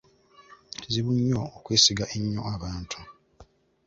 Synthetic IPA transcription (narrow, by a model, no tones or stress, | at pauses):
ziβuɲːookwe̞ːsiɡaʔeɲːo̞̰aβaːntʰu̥